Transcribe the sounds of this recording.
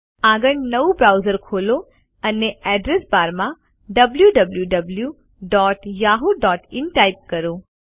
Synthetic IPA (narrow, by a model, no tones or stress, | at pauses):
aɡəɳnəʋũbɾawzəɾkʰolo | əneɛɖɾesbaɾmã | ɖəbljuɖəbljuɖəblju | ɖɔʈjaɦuɖɔʈɪnʈajp̚kəɾo